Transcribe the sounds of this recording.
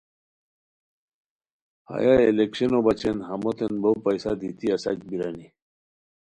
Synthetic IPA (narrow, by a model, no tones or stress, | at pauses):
ha̰jaelekɕenobat͡ɕʰenɦamot̪enbowpajsad̪ʱit̪iɐsa̰t͡ɕbiɾani